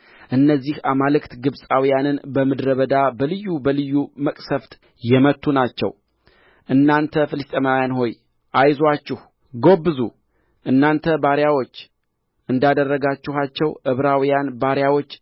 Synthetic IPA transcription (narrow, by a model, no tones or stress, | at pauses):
ʔɨnːəzːihamalɨkt̪ɡɨβsʼawijanɨnbəmɨd̪ɾəβəd̪abəlɨjːubəlɨjːuməkʼsəft̪ʼ | jɛmət̪ʰːunat͡ʃːɛ̰w | ʔɨnːant̪ʰəfɨlɨst̪ʼəmawjanho̞j | ʔajzwat͡ʃːɪh | ɡo̞bːɨzṵ | ʔɨnːant̪ʰəbaɾjawo̞t͡ʃː | ʔɨnd̪ad̪ərːəɡat͡ʃːɪɦat͡ʃːɛwʔɨβɾawijanbaɾjawo̞t͡ʃː